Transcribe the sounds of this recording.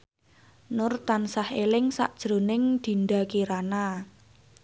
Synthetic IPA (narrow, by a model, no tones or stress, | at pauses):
nʊrt̪ansahelɪŋsa̰ʔd̥ʒ̥ɾo̤nɪŋd̪̥i̤nd̪a̤kiɾana